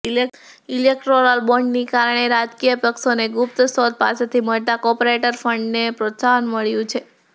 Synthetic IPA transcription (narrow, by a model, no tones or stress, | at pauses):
ilek̚ʈɾoɾəlbɔɳɖnikaɾəɳ̃eɾad͡ʒkijəpəksoneɡup̚t̪sɔd̪̚pa̰set̪ʰiməɭt̪akɔpoɾeʈəɾfəɳɖnepɾot̪saɦənməɭjũt͡ʃʰe